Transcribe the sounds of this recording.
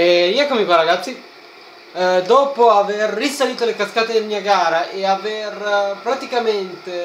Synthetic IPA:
eɾjɛkːomipaɾaɡat̪sːi | d̪ɔːpoaverːisaliːt̪olekaskaːt̪ed̪elmiːaɡaːɾaʔeaverpɾat̪ikament̪e

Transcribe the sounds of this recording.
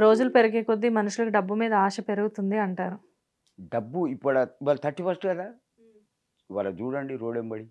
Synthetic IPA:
ɾo̞ːd͡ʒulupe̞ɾɐɡeːkod̪ːimɐnuʂulɐkuɖɐbːumiːd̪ɐaːʃɐpe̞ɾuɡut̪und̪iɐɳʈaːɾu | ɖɐbːuipːɐɽɐiʋaːlɐt̪ʰɐʈːipɐsʈukɐd̪aː | iʋaːlɐd͡ʒuːɽɐɳɖiɾoːɽembɐɽi

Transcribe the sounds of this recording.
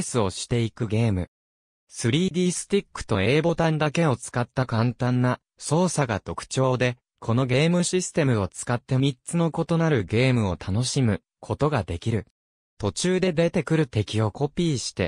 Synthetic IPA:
sɨo̞ɕi̥t̪e̞ikɯ̟ɡe̞ːmɯ̟ | sɨɾʲiːd̪ʲiːsɨ̥t̪ʲikːɯ̟̥t̪o̞e̞ːbo̞t̪ãnd̪ake̞o̞t͡sɨ̥kat̪ːakãnt̪ãnːa | so̞ːsaɡa̰t̪o̞kɯ̟̥t͡ɕo̞ːd̪e̞ | kʰo̞no̞ɡe̞ːmɯ̟ɕisɨ̥t̪e̞mɯ̟o̞t͡sɨ̥kat̪ːe̞mʲitt͡sɨno̞ko̞t̪o̞naɾɯ̟ɡe̞ːmɯ̟o̞t̪ʰano̞ɕimɯ̟ | kʰo̞t̪o̞ɡad̪e̞kʲiɾɯ̟ | t̪o̞t͡ɕɨːd̪e̞d̪e̞t̪e̞kɯ̟ɾɯ̟t̪e̞kʲio̞ko̞pʲiːɕi̥t̪e̞̰

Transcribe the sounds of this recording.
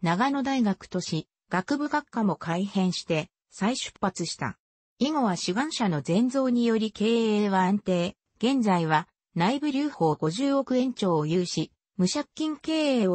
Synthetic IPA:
naɡano̞d̪aiɡakɯ̟̥t̪o̞ɕi | ɡ̥akɯ̟bɯ̟ɡakːamo̞kʰaihẽ̞ɰ̃ɕi̥t̪e̞ | saiɕɨ̥pːat͡sɨɕi̥t̪a̰ | iŋo̞βaɕiɡãɰ̃ɕano̞zẽ̞nd͡zo̞ːɲ̟ijo̞ɾʲike̞ːeːβaãnt̪e̞ː | ɡ̥ẽ̞nd͡zaiβa | naibɯ̟ɾʲɨːho̞ːɡo̞ʑɨːo̞kɯ̟ẽ̞ɲ̟t͡ɕo̞ːjɯːɕi | mɯ̟ɕakʲːĩŋke̞ːeːo

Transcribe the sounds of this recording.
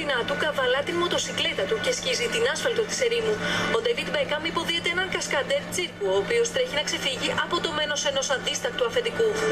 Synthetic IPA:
inɐt̪ukɐvɐlɐt̪inmo̞t̪o̞sikle̞t̪ɐt̪uce̞scizit̪inɐsfɐlt̪ot̪i̥se̞ɾimuo̞d̪evid̪bekɐmipo̞ðiet̪eenɐŋkɐskɐd̪e̞ɾt͡siɾkuoːpio̞st̪ɾe̞çinɐkse̞fiʝiʔɐpo̞t̪o̞me̞no̞se̞no̞sɐnd̪ist̪ɐk̚t̪uɐfe̞nd̪iku

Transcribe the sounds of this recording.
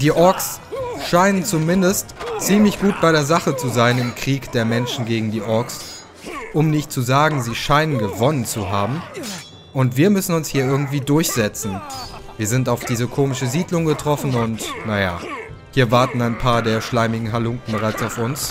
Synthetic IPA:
d̥iːʔɔɐksʃaɪnənt͡sumɪndəstt͡siːmlɪçɡ̥uːt̚b̥aɪɾeːɐzaχət͡suzaɪnɪmkʁ̥iːkd̥eːɐmɛnʃn̩ɡeːɡŋ̩diːʔɔɐks | ʔʊmnɪçt̚t͡suzaːɡŋ̩ziːʃaɪnənɡəvɔnənt͡suɦaːbm̩ | ʔʊntv̥iːɐmʏsn̩ʊnshiːɐɪɐɡŋ̩tv̥iːdʊɐçz̥ɛt͡sn̩viːɐzɪntaʊfd̥iːzəkʰoːmɪʃəziːdlʊŋɡətʁ̥ɔfn̩ʊntnaja̰ | hiːɐvaɐtn̩aɪnpʰaːɐdeːɐʃlaɪmɪɡŋ̩ɦalʊŋkŋ̩bəʁaɪt͡saʊfʊns

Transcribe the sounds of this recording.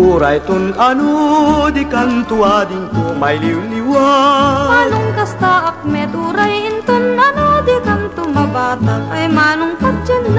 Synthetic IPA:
uːɾajt̪ʊnʔɐnod̪ɪkɐnt̪ʊad̪ɪŋkomɐjliwlɪwamaːnʊŋkɐst̪aʔɐk̚mɛt̪uːɾɐjɪnt̪ʊnɐnod̪ɪkɐnt̪ʊmɐbaːt̪ɐŋɐjmaːnʊŋkɐt͡ʃɐnː

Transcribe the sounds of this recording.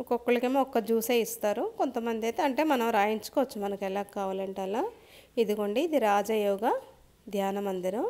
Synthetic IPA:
ɔkokːuɭɐkemɔkːɐd͡ʒuːseːist̪aːɾukont̪ɐmɐnd̪iɐjt̪eːɐɳʈe̞ːmɐnɐmɾaːjiɲt͡ʃu̥kɔʋɐt͡ʃːumɐnɐkɛlaːkːaːʋaːlɐɳʈaːla | id̪uɡoɳɖiːd̪iɾaːd͡ʒɐjɔːɡɐ | d̪ʱjaːnɐmɐnd̪iɾɐm

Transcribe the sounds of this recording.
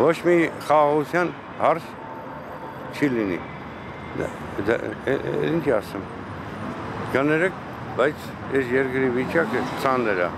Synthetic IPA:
vɔt͡ʃʰmiχɑːʁut͡sʰjan | hɑɾs | t͡ʃʰilinḭ | d̪̰ | int͡ʃʰɛɑsɛm | ɡənɛɾɛk̚ʰ | bajt͡sʰ | ɛsjɛɾkɾivit͡ʃɑkət͡sʰɑnɛɾɑ̰

